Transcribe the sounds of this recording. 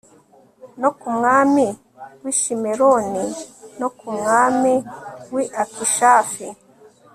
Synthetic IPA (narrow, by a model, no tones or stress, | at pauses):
nokumŋaːmi | wiʃimeɾoninokumŋaːmiwiʔakiʃaːfi